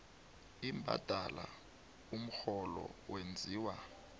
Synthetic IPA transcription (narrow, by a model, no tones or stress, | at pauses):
imbʱa̰d̥ʱala | um̩xɔlɔ̰wend͡zʱiːwa